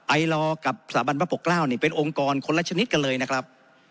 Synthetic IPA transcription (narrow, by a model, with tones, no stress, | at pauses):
ʔa˧jlɔː˧ka˨˩p̚saː˩˦ba˧npa˥˩po˨˩klaː˥˩wniː˥˩pe˧nʔo˧ŋkɔː˧nkʰo˧nla˧˥t͡ɕʰa˧ni˦˥t̪̚ka˧nlɤː˧jna˦˥kʰɾa˦˥p̚